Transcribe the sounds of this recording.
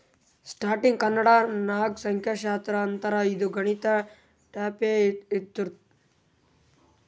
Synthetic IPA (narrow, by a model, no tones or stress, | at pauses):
sʈaːɾʈiŋɡkɐnəɽanaːɡsɐŋkʰjaʃaːt̪ɾɐːnt̪ɐɾaid̪uɡɐɽ̃it̪a | ʈaːpeid̪uɾt̪